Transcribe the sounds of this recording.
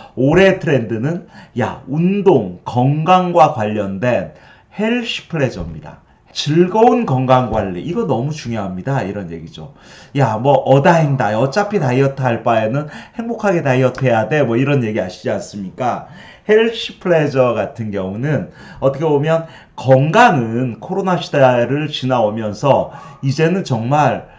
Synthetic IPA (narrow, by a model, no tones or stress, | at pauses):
oɾe̞tʰɯɾe̞ndɯnɯnja̰undoŋkʌŋɡaŋɡwakwaʎːʌndwe̞n | heɭɕʰi̥pʰɯɭe̞d͡ʑʌmɲida̰ | t͡ɕɯɭɡʌunkʌŋɡaŋɡwaʎːiʔiɡʌnʌmut͡ɕuŋjoɦamɲidaiɾʌnje̞̰ɡid͡ʑo̰jamwʌʔʌdaindaʌt͡ɕ͈apʰitaiʌtʰaɭp͈aenɯnhe̞ŋbokʰaɡe̞taiʌtʰe̞jade̞mwʌiɾʌnje̞ɡiaɕʰid͡ʑians͈ɯmɲik͈a | heɭɕʰipʰɯɭe̞d͡ʑʌɡatʰɯnɡjʌŋunɯn | ʌtʰʌkʰebomjʌn | kʌŋɡaŋɯnkʰoɾonaɕʰidaɾɯɭt͡ɕinaomjʌnsʰʌid͡ʑe̞nɯnt͡ɕʌŋmaɭ